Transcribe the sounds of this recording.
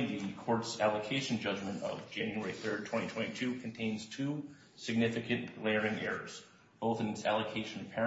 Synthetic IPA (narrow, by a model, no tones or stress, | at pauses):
ðɨkʰɔɹtsælˠəkʰeɪʃn̩d͡ʒʌd͡ʒmɨ̃ntʌ̰vd͡ʒɛ̃njɛɹiθɜ˞d̚tʰw̥ɛ̃ñitʰɛ̃ɾ̃itʰʉkʰn̩tʰẽɪ̃nz̥tʰʉ | sɨɡ̚nɪfɨkɨ̃nʔlɛɹɪ̃ŋɛɹə̰˞z̥ | b̥oʊθɨ̃nɨtsæ̰lˠəkʰeɪʃɨ̃npʰɛ